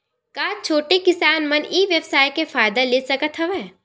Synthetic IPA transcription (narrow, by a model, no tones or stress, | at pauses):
kaːt͡ʃʰoːʈekɪsaːnmɐ̃nʔiːʋjəpsaːjkefaːjd̪aleːsɐkət̪ɦɐʋɛː